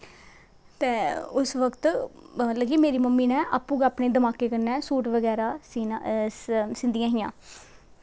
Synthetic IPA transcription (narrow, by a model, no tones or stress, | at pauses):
t̪eːʊsʋəkt̪ | ləɡiːmeːɾiːməmːiːnɛ̃ːʔaːpːũːɡaːpneːd̪əmaːkeːkəɾnɛːsuːʈʋəɡɛːɾaːsiː | sɪnd̪ɪijãːɦɪjãː